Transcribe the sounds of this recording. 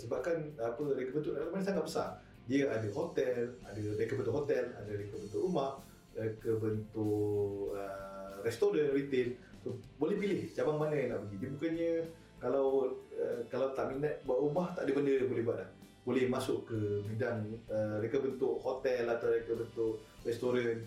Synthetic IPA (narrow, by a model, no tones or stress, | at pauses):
səbap̚kanapəɾekəbənt̪ʊʔakmanəsaŋat̪̚bəsa̰r | diəadəɦot̪ɛladərekəbənt̪ʊʔhɦot̪ɛla̰dəɾekəbənt̪ʊʔɾumah | ɾekəbənt̪ʊʔərɛst̪oɾənrit̪est̪obolɛhpilɪht͡ʃabaŋmanajaŋna̰ʔpəɡidibukaɲə | kalawəkalawt̪aʔminaʔbaʔɾumaht̪aʔdəbəndəbolɛhbuat̪̚lah | b̥olɛhmasʊʔkəbidaŋəɾekəbənt̪ʊʔhot̪ɛlat̪awɾekəbənt̪ʊʔ | rɛst̪oɾən